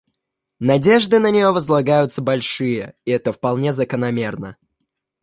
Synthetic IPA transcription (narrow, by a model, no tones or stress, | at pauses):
nɐdʲe̞ʐd̪ɨnənʲɪjo̞vəzlˠɐɡajʊt̪səbɐlʲʂɨjəɪɛt̪əfpɐlˠnʲezəkənɐmʲe̞rnə